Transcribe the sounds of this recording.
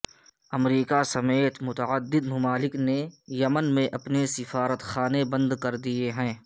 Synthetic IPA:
ɐmɾiːkasɐmeːt̪mʊt̪əəd̪ːɪd̪mʊmaːlɪknejɐmənmẽʔɐpnesɪfaːɾət̪xaːnebɐ̃nd̪kɐɾd̪ieɦɛ̃ː

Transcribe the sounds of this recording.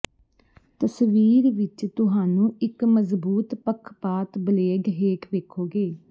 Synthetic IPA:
t̪əsʋiːɾʋɪt͡ʃt̪ʊɦaːnũːɪkməzbuːt̪pəkʰpaːt̪bəleːɡɦeːkʰʋeːkʰoːɡeː

